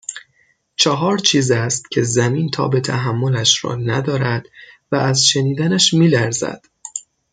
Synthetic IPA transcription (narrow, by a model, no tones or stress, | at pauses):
t͡ʃʰɒɦɒːɾt͡ʃʰiːzæst̪cʰe̞zæmiːnt̪ʰɒ̰ːbe̞t̪ʰæɦæmːo̞læʃɾɒ̰ːnæd̪ɒːɾæd̪̥væːzʃe̞niːd̪ænæʃmiːlæɾzæ̰d̪̥